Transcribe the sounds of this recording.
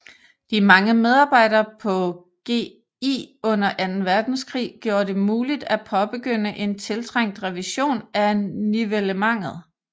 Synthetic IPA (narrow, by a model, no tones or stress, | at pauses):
d̥imɑ̈ŋəmeð̞ˠɑ̈ːb̥ɑ̈ɪ̰ɾ̥ɐːpʰɒ̽ | ɡ̥e̝̰ː | ḭːɔ̽n̰ɐʔænn̩ʋæɐd̥n̩skʰʁḭːɡ̥jo̝ːɐd̥e̝muːlid̥æpʰɒ̽b̥e̝ɡ̥øn̰əʔe̝nt͡sʰe̝lt͡sʰʁaŋ̰d̥ʁɛʋiɕo̝̰ːnæniʋeləmɑ̈ŋ̰ð̞̩ˠ